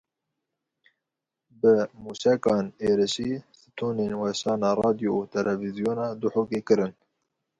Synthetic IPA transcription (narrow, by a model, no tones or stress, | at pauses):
bɨmuːsɛkɑːneːɾɨʃiːsɨ̥t̪ʰuːneːnwɛʃɑːnɑːrɑːd̪ijouːt̪ʰɛlʔɛvizijoːnɑːd̪uħoːkeːkɨɾɨn